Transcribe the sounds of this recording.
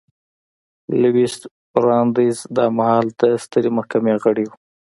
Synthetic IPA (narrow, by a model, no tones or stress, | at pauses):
lɪwist̪ | ɾɑnd̪izd̪ɑmahɑlt̪ast̪əɾemahkameɣəɽiw